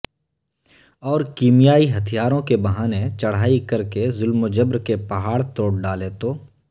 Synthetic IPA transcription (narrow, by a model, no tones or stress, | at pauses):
ɔːɾkiːmjaːiɦɐt̪ʰijaːɾõkebɐɦaːnet͡ʃɐɽ̤aːikɐɾkezʊlmod͡ʒəbɾkepɐɦaːɽt̪oːɽɖaːlet̪oː